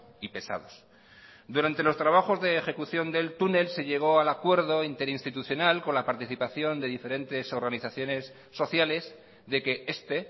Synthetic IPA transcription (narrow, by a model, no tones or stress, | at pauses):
ipe̞sa̰ðo̞s | d̪uɾant̪e̞lo̞st̪ɾaβaxo̞zðe̞ːxe̞kuθjo̞nd̪e̞lt̪une̞lse̞ʎe̞ɣ̞o̞alakwe̞ɾðo̞int̪e̞ɾinst̪it̪uθjo̞nalkonlapaɾt̪iθipaθjo̞nd̪e̞ðife̞ɾe̞nt̪e̞so̞ɾɣaniθaθjo̞ne̞sːo̞θjale̞z | ðe̞ke̞e̞st̪e